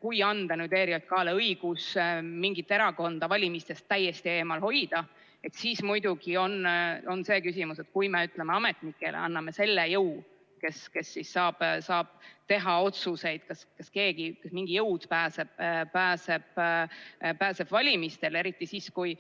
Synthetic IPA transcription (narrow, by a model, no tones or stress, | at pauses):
kujɑnd̪̥ɑnyːd̪eːɾielt̪̚kɑːleɤiɡ̥usmiŋɡit̪ˑːeɾɑko̞nd̪̥ɑvɑlʲimist̪e̞st̪ːæjːest̪ie̞ːmɑlɦo̞jd̪̥ɑ | e̞t̪siːsmujd̪̥uɡ̥io̞no̞nse̞ːkysimuse̞t̪kujmeyt̪ːˑlemeɑme̞t̪ˑnikːˑe̞̰lḛɑnːɑme̞se̞lːejɤw | ke̞ske̞sːisːɑːb̥sɑːb̥̚t̪e̞ɦɑo̞t̪suse̞jd̪̥kɑskɑske̞ːɡ̥ikɑsmiŋɡ̥ijɤwt̪pæːseb̥̚pæːse̞b̥ | pæːse̞b̥vɑlʲimist̪e̞le̞ɾit̪ːˑisiːskuj